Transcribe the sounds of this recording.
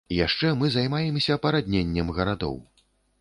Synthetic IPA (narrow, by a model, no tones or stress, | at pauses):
ijaʂt͡ʂɛmɨzajmajɛmsʲɐːpɐɾad̪ʲnʲenʲːɛmɣɐɾad̪ɔ̰w